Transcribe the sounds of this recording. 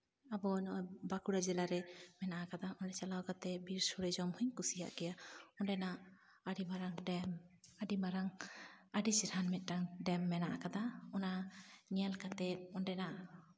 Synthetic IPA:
abɔnɔbakuɽad͡ʒɛlaɾɛmɛnaʔakad̪aʔɔnɖɛt͡ʃalawkat̪ɛbiɾsɔɽɛd͡ʒɔmhuɲkusija̰ʔɡɛjaɔnɖɛna | aɽimaɾaŋɖɛmaɖimaɾaŋaɖisiɾhanmɛt̪̚ˀʈaŋɖɛmːɛnaʔakad̪aɔnaɲialkat̪ɛt̪̚ɔnɖɛnaʔ

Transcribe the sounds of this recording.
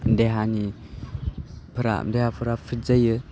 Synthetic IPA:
deɦani | pʰɯɾa̰mdehapʰɯɾapʰizajɯ

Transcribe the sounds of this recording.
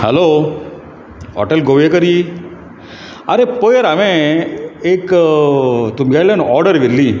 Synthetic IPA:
hɐloː | hɔ̰ʈɐlɡoːʋjekɐɾii | aɾepoːjɐɾɐʋẽ | ek | t̪umɡɐlɐnɔːɾɖɐɾʋɪlːi

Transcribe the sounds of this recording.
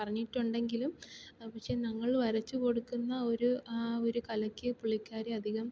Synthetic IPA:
pɐrɐɲːiʈːuɳɖe̞ŋɡilumpɐkʂe̞ːnɐŋːɐɭʋɐɾɐt͡ɕːuko̞ɽukːunːɐo̞ɾuoɾukɐlɐkʲːɨpuɭikʲːaːɾiɐd̪ʱiɣɐm

